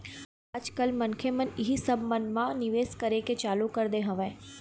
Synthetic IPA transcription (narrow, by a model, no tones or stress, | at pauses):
aːd͡ʒkɐlmɐnkʰemɐnɪɦisɐbmɐnmãnɪʋeːskɐɾeket͡ʃaːlukɐɾd̪eɦɐ̃ʋẽː